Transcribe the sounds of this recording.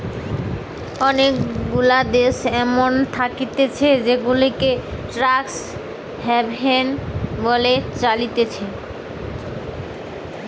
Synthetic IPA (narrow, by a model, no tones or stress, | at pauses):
ɔnekɡulad̪eʃɛmont̪ʰakit̪et͡ɕʰed͡ʑeɡulikeʈɾaks | hɛbenbolet͡ɕalit̪et͡ɕʰe